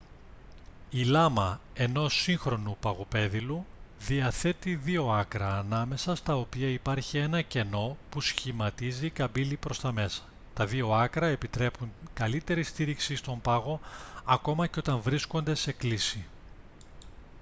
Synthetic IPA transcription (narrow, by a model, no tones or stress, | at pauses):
ilɐmɐe̞no̞siŋxɾo̞nupɐɣope̞ðiluðiɐθe̞t̪iðio̞ɐkɾɐːnɐme̞sɐst̪ɐo̞piɐipɐɾçie̞nɐce̞no̞pusçimɐt̪izikɐbilipɾo̞st̪ɐme̞sɐ̥ | t̪ɐðio̞ɐkɾɐe̞pit̪ɾe̞puŋkɐlit̪e̞ɾist̪iɾiksist̪o̞mpɐɣo̞ɐko̞mɐceo̞t̪ɐɱvɾisko̞nd̪e̞se̞klisi